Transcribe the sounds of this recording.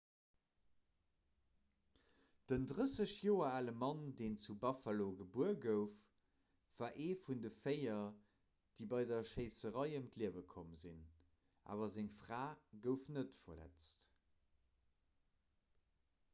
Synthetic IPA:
d̥əndʁəsəɕjoːɐaːləmɑndeːnt͡subɑfaloɡəbuəɡəʊf | vaːʔeːfundəfeɪɐ | d̥iːbɑɪdɐʃeɪsəʁɑɪəmtliəvəkʰomzin | ʔa̰ːvɐzɪŋfʁaːɡəʊfnətfɐlæ̰t͡st

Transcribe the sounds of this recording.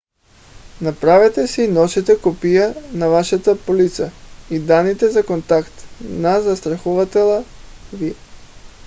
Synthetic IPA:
napɾavɛt̪ɛsɛinɔʃit̪ɛkopijanavaʃat̪əpolit̪səid̪anːit̪ɛzakont̪akt̪nazast̪ɾɐxuvat̪ɛlˠaviɛ

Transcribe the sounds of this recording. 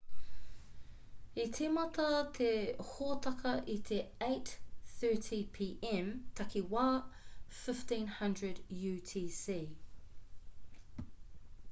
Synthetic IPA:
it̪ʰemɐt̪ɐt̪ʰehoːt̪ʰɐkʰɐʔit̪ʰeeɪt̪θɜːˑtʰipʰiʔɛmt̪ʰɐkʰiwaːfɪftĩːnhɐndɹədjʉːtʰiːsiː

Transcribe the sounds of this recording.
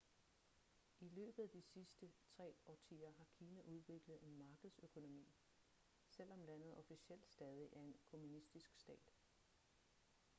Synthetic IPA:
ilø̰ːb̥əð̩ˠæd̥isisd̥ət͡sʰʁɛ̰ːɒːt͡sʰḭːɐɦɑ̈kʰiːnæʔuð̞ˠʋe̝ɡ̥ləð̩ˠe̝nmɑ̈ːɡ̥əð̞̩ˠsøkʰo̝no̝mḭː | sel̰ɒ̽mlæn̰ð̞̩ˠɒ̽fisiel̰d̥sd̥ɛːð̞ˠiʔæɐe̝nkʰo̝munisd̥isɡ̥sd̥ɛ̰ːd̥

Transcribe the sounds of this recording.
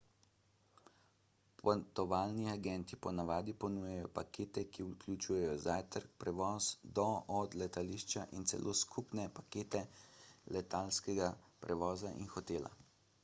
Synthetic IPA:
pʰɔt̪ɔʋaːlniaɡɛnt̪ipɔnaʋaːd̪ipɔnuːjɛjɔpakeːt̪ɛkiuklʲut͡ʃuːjɛjɔzajt̪əɾk̚pɾɛʋɔːsd̪ɔɔd̪lɛt̪aliʃt͡ʃaʔint̪sɛ̰lʔoːskʰupnɛpakeːt̪ɛlɛt̪alskɛɡapɾʔɛʋɔːzaʔḭnxɔt̪eːla̰

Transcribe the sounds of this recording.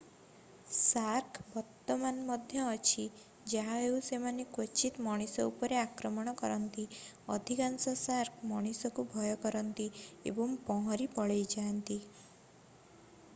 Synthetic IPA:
saɾkʰbɔɾt̪ɔmanmɔd̪ʱjɔːt͡ʃʰi | d͡ʒaɦaewsemanekwɔt͡ʃit̪mɔɽ̃isɔupɔɾeakɾɔmɔɽ̃ɔkɔɾɔnt̪iɔd̪ʱikansɔsaɾkʰmɔɽ̃isɔkubʱɔjɔkɔɾɔnt̪iḛbɔŋpɔ̃ɦɔɾipɔɭejd͡ʒant̪i

